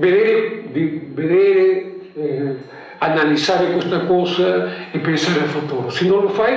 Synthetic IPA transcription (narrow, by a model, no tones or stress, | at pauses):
beðeɾd̪ibeðeɾe | ɛ | analisaɾɪkwest̪ɐkowsɐepensaɾẽfut̪uɾʊsinõŋlofaj